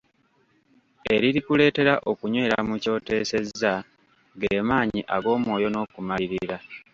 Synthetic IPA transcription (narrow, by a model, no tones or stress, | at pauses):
e̞ɾiɾikule̞ːte̞ɾaʔo̞kuɲwe̞ːɾamuco̞ːte̞ːse̞zːa | ɡeːmaːɲiʔaɡo̞ːmwo̞ːjo̞no̞ːkumaliɾiɾa